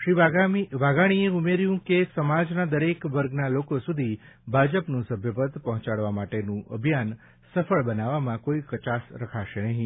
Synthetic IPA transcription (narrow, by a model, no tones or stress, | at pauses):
ʃɾiʋaɡamiʋaɡaɽ̃ieumeɾjũkesəmad͡ʒnad̪əɾekʋəɾɡnalokosud̪ʱi | bʱad͡ʒəpnũsəbʱjəpət̪ːpəɦɔ̃t͡ʃaɭʋamaʈenũʔə̰bʱijan | səfəɭbənaʋamãkoikət͡ʃasɾəkʰaʃenəɦĩ